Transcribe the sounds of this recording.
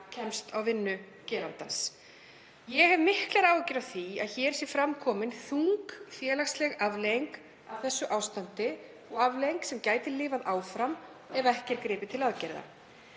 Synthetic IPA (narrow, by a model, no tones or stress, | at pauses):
cʰɛmst̪awvɪnːʏ | cɛːɾant̪ans | jɛɣhɛvmɪhklɛɾaːwcɪɾaðθia̰ðçɛːɾ̥sjɛfɾamkʰɔːmɪnθuŋkfjɛːlaxslɛɣavlejiŋk | avθɛsːʏʔaːwst̪ant̪ɪ | ɔɣavlejjŋksɛmcaːjt̪ɪlɪːvaðaːwfɾam | ɛðaɛhcɛɾkɾɪːpɪt̪ʰɪlaðcɛɾða̰